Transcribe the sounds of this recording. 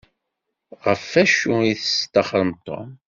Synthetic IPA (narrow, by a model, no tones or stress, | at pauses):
ʁəfːæʃuiθəst̪ːɑχəɾˤəmt̪o̰m